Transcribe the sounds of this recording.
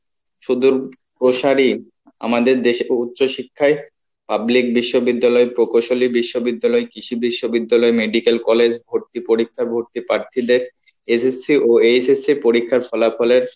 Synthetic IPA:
ʃud̪uɾ | pɾoʃaɾi | a̰mad̪eɾd̪eʃeut̪ːɕoʃikʰːae | pablik̚biʃːobid̪ːalɔepɾokoʃolibiʃːobid̪ːalɔekiʃibiʃːobid̪ːalɔemeɖikelkɔled͡ʑbʱoɾt̪ipoɾikʰːaɾbʱoɾt̪ipɾaɾt̪ʰid̪eɾ | esesiʔoesesiɾpoɾikʰːaɾfʰɔlafɔleɾ

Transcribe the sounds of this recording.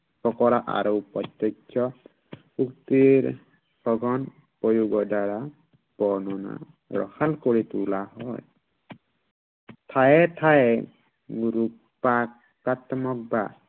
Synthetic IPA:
pɔkɔɾaʔa̰ɾɔwpɔt̪ːjɔt͡ʃʰɔ | ukt̪iɾ | sɔɡɔn | pɔjuɡɔdaɾa | b̥ɔnɔna̰ | ɾɔ̰xalkɔɹit̪ulaɦɔj | t̪ʰajɛt̪ʰae | ɡuɾu | pak | at̪mɔk̚ba

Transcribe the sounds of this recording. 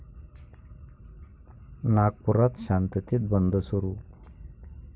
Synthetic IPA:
nak̚puɾat̪ɕant̪it̪it̪̚bənd̪ʱəsuɾuː

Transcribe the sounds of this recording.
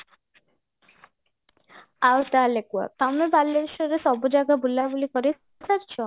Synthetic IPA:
awt̪alekua̰t̪amebalːeɾʃɔɾesɔbod͡ʒaɡabulabulikɔɾi | taɾt͡ʃʰɔ

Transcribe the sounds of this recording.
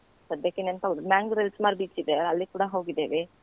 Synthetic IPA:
sɐd̪jɐkːenent̪ɐmaːŋɡɾelsmaːɾbiːt͡ʃid̪eɐlːikuːɽɐɦo̞ːɡid̪eʋe

